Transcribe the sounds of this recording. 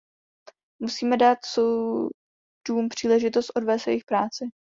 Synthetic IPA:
musiːmɛdaːt̪so | d̥uːmpr̥iːlɛʒɪt̪ost̪ʔo̞dvɛːsvɛjxpɾaːt͡sɪ

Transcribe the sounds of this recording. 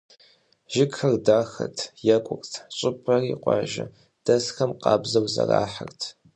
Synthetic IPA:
ʒɪkxɐrdaːxɐ̰tʰjɛkʷʼʊrʼtʰɕʷʼɪpʰʼɐriːqʷɑːʒɐ̰ | d̥ɐsxɐmqʼɑːbzɐwzɐraːħərtʰ

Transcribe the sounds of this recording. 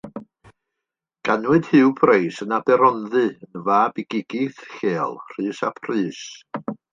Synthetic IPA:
ɡ̥anwɨd̥hɨwpʰrejsənabɛɾɔnðɨənvaːbɪɡɪɡ̥ɪθɬeːlˠr̥ɨːsapʰrɨːs

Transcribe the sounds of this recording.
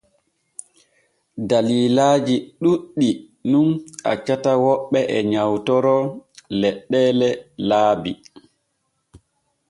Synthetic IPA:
daliːlaːd͡ʒiɗuɗːi | nunʔa̰t͡ʃatawɔɓːɛʔɛɲawtɔɾɔlɛɗːɛːlɛlaːbi

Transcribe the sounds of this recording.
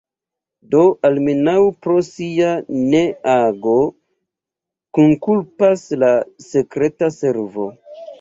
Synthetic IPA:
do̞ʔalmenawpɾosianeaɡo̞ | kunkulpaslase̞kɾe̞tase̞ɾvo̞̰

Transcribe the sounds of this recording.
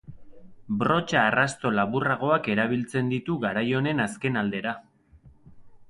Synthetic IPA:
bro̞t͡ʃaːrast̪o̞laβuraɣ̞o̞ake̞ɾaβ̞ilt͡se̞nd̪it̪uɣaɾajo̞ne̞naske̞nald̪e̞ɾa

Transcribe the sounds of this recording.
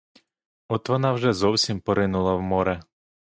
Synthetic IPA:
ɔt̪ʋɔnɑwʒɛzɔwsʲimpɔɾɪnʊlˠɐwmɔɾɛ

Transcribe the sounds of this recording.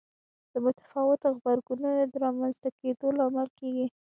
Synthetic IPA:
d̪̥əmʊt̪ḁfɑwɪt̪xbaɾɡununad̪əɾɑmanzt̪aked̪olaɑːmalkeɡi

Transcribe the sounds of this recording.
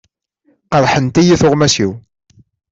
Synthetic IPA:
qəɾˤħənt̪ijiθʊʁmæsiw

